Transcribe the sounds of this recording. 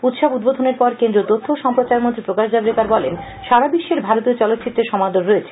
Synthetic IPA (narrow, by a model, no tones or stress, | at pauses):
ut̪ʃobud̪̚bod̪ʱoneɾpɔɾkend̪ɾot̪ot̪ʰːoʃɔmpɾot͡ɕaɾmõnt̪ɾipɾokaʃd͡ʑ̪ablekaɾbɔlen | ʃaɾabiʃːeɾbʱaɾot̪iot͡ɕɔlot̪ːt͡ɕit̪ːɾeʃɔmad̪onɾoet͡ɕʰe